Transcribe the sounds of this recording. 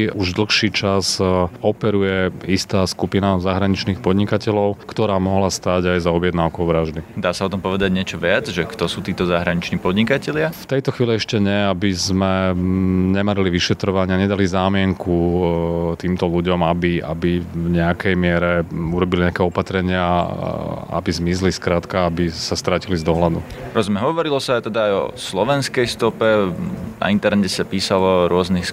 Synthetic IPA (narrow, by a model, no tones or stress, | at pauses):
uʒd̪l̩xʃiːt͡ʃazɔpɛɾujɛist̪aːskupinazaɦɾaɲit͡ʃniːxpɔd̪ɲikacɛlɔʊkt̪ɔɾaːmɔɦlast̪aɟajzɔbjɛd̪naʊkɔʊʋɾaʒd̪id̪aːsaɔt̪ɔmpɔʋɛd̪aɟɲɪɛt͡ʃɔʋɪad͡zʒɛkt̪ɔsuːt̪iːt̪ɔzaɦɾaɲit͡ʃniːpɔd̪ɲikacɛlɪaft̪ɛjt̪ɔxʋiːliɛʃcɛɲɛabizmɛ | ɲɛmaɾiliʋiʃɛt̪ɾɔʋaɲɪaɲɛd̪alizaːmɪɛŋku | t̪iːmt̪ɔluɟɔmabia̰bivɲɛakɛjmɪɛɾɛuɾɔbiliɲɛakɛɔpat̪ɾɛɲɪa | a̰bizmizliskɾaːt̪kaabisast̪ɾacilizd̪ɔɦlad̪ṵɾɔzmɛɦɔʋɔɾilɔsat̪ɛd̪aːjɔ̰slɔʋɛnskɛjst̪ɔpɛna̰int̪ɛɾnɛcɛsapiːsalɔɾʊɔznixs